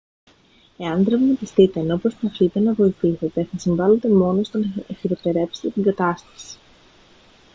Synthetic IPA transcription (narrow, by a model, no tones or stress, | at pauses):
e̞ɐnd̪ɾɐvnɐp̪ist̪it̪eno̞po̞spɐθit̪e̞nɐvo̞iθiθe̞t̪e̞θɐsiɱvɐlet̪e̞mo̞no̞st̪onefiɾot̪eɾe̞psi̥t̪et̪iŋɡɐt̪ɐst̪ɐ̥si̥